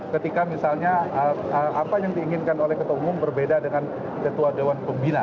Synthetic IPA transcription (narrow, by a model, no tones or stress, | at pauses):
kət̪ikamisalɲaəəapajaŋdiːŋɪnkanolɛhkət̪uwaumʊmbərbedadəŋan | kət̪uadewanpəmbina